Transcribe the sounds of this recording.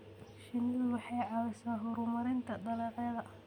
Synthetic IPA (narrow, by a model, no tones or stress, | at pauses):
ʃɪniːlwɑħɑjʕɑwɛsaːnɦɔɾʊmɐɾɪnt̪ʰɐɖɐlɛːqjɐðɐ